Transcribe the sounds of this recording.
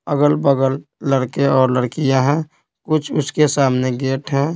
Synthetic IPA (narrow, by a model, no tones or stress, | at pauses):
əɡəlbəɡəlːəɽkeɔːɾləɽkijaɦɛ̃ | kʊt͡ʃʰʊskesaːmneɡeːʈɦɛ̃ː